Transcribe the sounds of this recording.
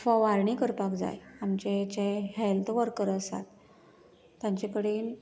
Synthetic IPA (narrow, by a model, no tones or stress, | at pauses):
fɔʋaɾɳiːkəɾpakd͡za̰jamt͡ɕet͡ɕehɛlt̪ʰʋəɾkəɾəsa̰t̪ | t̪jãɲt͡ɕekəɽeːn